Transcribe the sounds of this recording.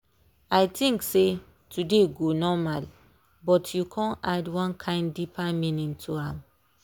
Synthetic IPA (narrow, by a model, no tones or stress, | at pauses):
ajtĩŋkse | tʰudeɡonɔmal | bɔtʰjukʰɔ̃nadwɔ̃nkʰãɪ̃nːipamĩnĩŋtʰuãm